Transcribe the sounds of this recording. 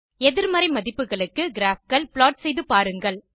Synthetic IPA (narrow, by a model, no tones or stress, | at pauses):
ɛðɪɾmɐɾɐɪmɐðɪpːɯɣɐɭɯkːɯɡɪɾaːfkɐɭpɪɭaːʈ̚sɛjðɯpaːɾɯŋɡɐɭ